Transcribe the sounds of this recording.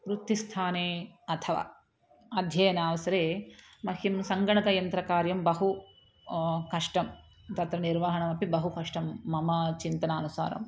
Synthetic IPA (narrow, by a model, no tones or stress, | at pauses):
ɾut̪ːist̪ʰaːneːɐt̪ʰɐʋa̰ː | ɐd̪ʱjɐjɐnaːʋɐsɐɾeːmɐhʰimsɐŋɡɐɳɐk̪ɐjɐnt̪ɾɐkaːɾjɐmbɐɦu | kɐʂʈɐm | t̪ɐt̪ɾɐniɾʋaːɦɐɳɐmɐpibɐɦukɐʂʈɐmːɐmɐt͡ʃint̪ɐnaːnusa̰ːɾɐ̰m